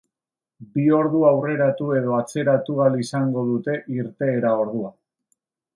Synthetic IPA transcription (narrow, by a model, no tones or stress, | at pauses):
bio̞ɾðuawre̞ɾat̪ue̞ð̞o̞at͡se̞ɾat̪uɣalisaŋɡo̞ð̞ut̪e̞ʔiɾt̪e̞ːɾao̞ɾð̞ua